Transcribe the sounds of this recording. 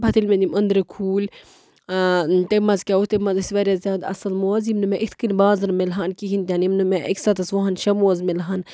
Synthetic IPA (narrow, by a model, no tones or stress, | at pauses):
bʰʱɐt̪ilmẽnd̪ʲimɐnd̪ɾekʰuːl | t̪emɐzkʲaut̪emɐzɐsʲʋɐɾʲazʲaːd̪ɐ̰sɐlmoːzimnɨmẽʔit̪ʰkɨnbaːzɐnmelɦaːnkiɦint̪ʲjanimnɨmeʔɐksɐt̪ɐsʋɐɦɐnʃɐmoːzmelɦan